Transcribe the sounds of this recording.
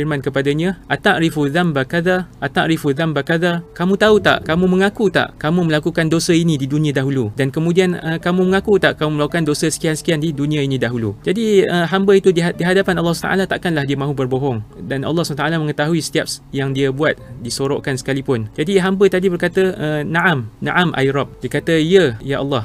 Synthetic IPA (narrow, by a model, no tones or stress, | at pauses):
irmãnkəpadaɲãʔat̪aʔɾifuðambakaðaʔat̪aʔɾifuðambakaðakamũt̪aut̪a̰ʔkamũmə̃ŋakut̪a̰ʔkamũmə̃lakukandosəinĩdidunĩãdaɦuludankəmũdianəkamũmə̃ŋakut̪aʔkamũməlakukandosəsə̥kiansə̥kiandidunĩãinĩdaɦulud͡ʒadiəɦambəit̪udiadiɦadapanɑlːɑhst̪a̰ʔa̰lat̪aʔkanlahdiamãɦubərboɦɔŋdanʔɑ̰lːɑhsuat̪aʔalamə̃ŋət̪aɦuisə̥t̪iap̚jaŋdiabuat̪̚disoɾoʔkansə̥kalipʊnd͡ʒadiɦambət̪adibərkat̪əənãʔamnã̰ʔamʔa̰jɾɔp̚dikat̪əiəjaʔɑ̰lːɑh